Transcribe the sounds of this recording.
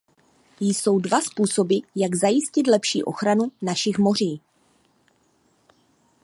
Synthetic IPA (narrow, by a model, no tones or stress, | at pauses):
jso̞wdvaspuːso̞bɪjaɡzajɪscɪt̪lɛpʃḭːʔo̞̰xɾanunaʃɪxmo̞r̝iː